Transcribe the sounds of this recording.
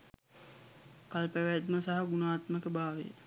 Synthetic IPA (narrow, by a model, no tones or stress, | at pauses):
kalpæʋæd̪məsaɦaɡunaːt̪məkəbaːʋḛjə̰